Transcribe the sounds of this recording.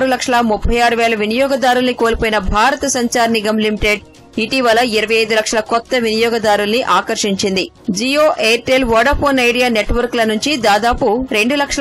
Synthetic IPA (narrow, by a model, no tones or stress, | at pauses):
ɾulɐkʂɐlɐmupʰːɐjaːɽuʋɛːlɐʋinijɔːɡɐd̪aːɾulɐnikoːlipoːjinɐbʱaːɾɐt̪ɐsɐɲt͡ʃaːɾniɡɐmlimiʈeɖ̚ | iʈiʋɐlɐiɾɐʋɐjɐjd̪ulɐkʂɐlɐkɔt̪ːɐʋinijɔːɡɐd̪aːɾulniʔaːkɐɾʂiɲt͡ʃind̪i | d͡ʒioːʔeːɾʈelʋɔːɽɐpʰoːnɐjɖijaːne̞ʈʋɐɾklɐnuɲt͡ʃid̪aːd̪aːpuɾe̞ɳɖulɐkʂɐ